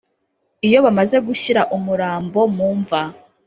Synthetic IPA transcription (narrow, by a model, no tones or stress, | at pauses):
ijo̞βamaze̞ɡuçiɾaʔumuɾaːmbo̞muːɱva